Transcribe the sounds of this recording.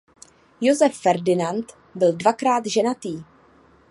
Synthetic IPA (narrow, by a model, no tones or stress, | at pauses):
jozɛfːɛɾdɪnant̪ | bɪldvakɾaːd̪ʒɛnat̪iː